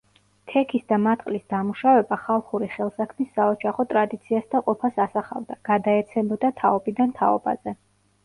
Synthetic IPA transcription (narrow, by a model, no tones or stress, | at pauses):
t̪ʰɛkʰisd̪amat̪ʼqʼlisd̪amuʃavɛbaχalˠχuɾiχɛlˠsakʰmisːaɔd͡ʒaχɔt̪ʼɾad̪it̪sʰiasd̪aqʼɔpʰasasaχa̰vd̪aɡ̥ad̪aɛt̪sʰɛmbɔd̪at̪ʰaɔbid̪ant̪ʰaɔ̰ba̰z̥ɛ